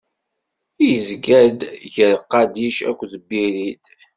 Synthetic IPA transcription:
ijəzɡæd̪ʝəɾqːɑd̪iʃæ̰kʷːðəbːiɾid̪

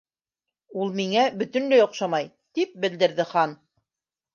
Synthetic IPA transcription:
ulˠmiŋæbɵ̆t̪ɵ̆nlɘjŏqʃɑmɑj | t̪ip̚bɘ̆ld̪ɘ̆ɾðɘχɑn

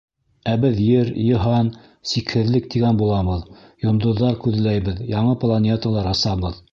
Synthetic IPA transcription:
æbɘðjɘɾjɤ̆ɦɑn | sikhɘ̆ðlɘk̚t̪iɡænbulˠɑβɤðjŏnd̪ŏðːɑɾkʉðlæjbɘðjɑɴɤplˠanʲet̪əlˠɑɾɑsɑβɤð

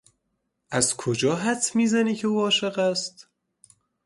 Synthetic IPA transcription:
ʔæzkʰod͡ʒɒːɦæt̪ʰmiːzæniːcʰe̞uːɒːʃe̞ɣæst̪

